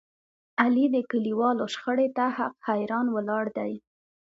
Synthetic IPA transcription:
alid̪əkəliwɑloʃxəɽet̪ahaqhajɾɑnwəlɑɽd̪aj

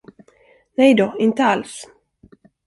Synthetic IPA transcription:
nɛjd̪oɪnt̪əals

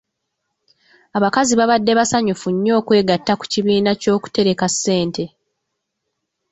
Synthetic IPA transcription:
aβakaziβaβadːe̞βasaɲufuɲːo̞ːkwe̞ːɡatːaku̥ciβiːnaco̞ːku̥te̞ɾe̞kasːe̞ːnte̞

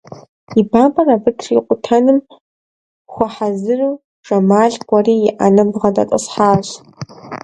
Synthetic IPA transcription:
ibaːmʼɐrabɨtʰʂiqʷʼʊtʰɐnɨm | χʷɔħazɨruː | ʐɐmaːɮɡʷɐriːɪʔa̰nɨbʁɐdʼa̰tʼɐ̰sħaːɕ

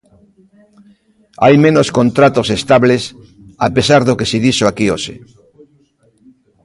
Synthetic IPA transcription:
a̰jmẽnoskõnt̪ɾat̪osest̪aβles | a̰pesaɾðokeseðiʃoakioʃḛ

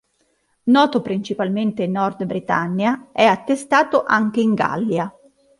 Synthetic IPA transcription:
nɔːt̪opɾint͡ʃipalment̪enɔrd̪bɾit̪a̰nːjaʔɛat̪ːest̪aːt̪oʔaŋk̟eiŋɡa̰lːja

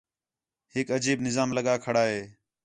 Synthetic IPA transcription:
hɪkəd͡ʒiːbnɪzaːmləɠaːkʰəɽaːɦeː

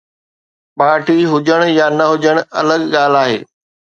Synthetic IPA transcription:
ɓaːʈʰiɦʊd͡ʑəɽ̃jaːnɐɦʊd͡ʑəɽ̃ɐ̰ləɠɠaːl̤aːɦḛː

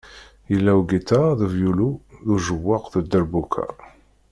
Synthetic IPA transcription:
jəlːæwɡit̪aðəvjuluðuʒəwːəqðəd̪ːəɾbukʰa̰

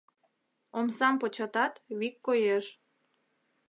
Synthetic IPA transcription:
omsɑmpot͡ɕɑt̪ɑt̪βikːojeʃ

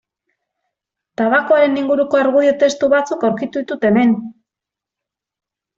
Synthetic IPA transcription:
t̪aβakoaɾe̞niŋɡuɾuko̞aɾɣuðiot̪e̞st̪uβat͡sukawɾkit̪uðit̪ut̪e̞me̞n

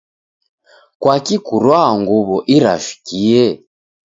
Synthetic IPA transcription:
kwakikuɾwaŋɡuβɔʔiɾa̰fi̥kiɛ

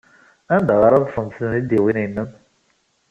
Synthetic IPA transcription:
ænd̪aʁəɾɑðˤfənsənnid̪iwininːən

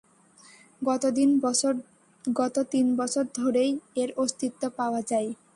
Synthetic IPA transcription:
ɡɔt̪od̪in | ɡɔt̪ot̪inbɔt͡ɕʰoɾd̪ʱoɾejeɾost̪it̪ːopaoad͡ʑaj

